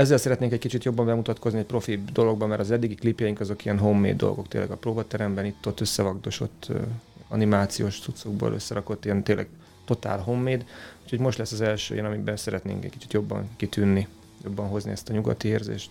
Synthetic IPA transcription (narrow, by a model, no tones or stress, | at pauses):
ɛzːɛlsɛɾɛt̪neːŋkɛckit͡ʃit̪jo̞bːɒɱbɛmut̪ɒt̪ko̞zniɛc̚ʲpro̞fid̪o̞lo̞ɡ̚bɒmːɛɾɒzɛd̪ːiɡiklipjɛjiŋkɒzo̞kijɛnɦo̞mːḛːd̪ːo̰lɡo̞kt̪ḛːlɛɡɒproːbɒt̪ɛɾɛmbɛnit̪ːot̪ːøsːɛvɒɡd̪o̞ʃo̞̰t̪ːɒ̰nimaːt̪sijoːʃt̪sut̪so̞ɡbo̰ːlʔø̰sːɛɾɒko̞t̪ːijɛnt̪eːlːʔɛ̰ɡ | t̪o̞t̪a̰ːlɦo̞mːeːd̪ucʰo̞ɟmo̞ʃt̪lɛsːɒzɛlʃø̰ːjɛnɒmibɛnsɛɾɛt̪nḛːŋkɛ̰c̚kit͡ʃi̥t̪jo̞bːɒ̰ŋkit̪ynːi | jo̞bːɒnɦo̞znḭɛst̪ɒɲuɡɒ̰t̪ieːrzḛːʃt̪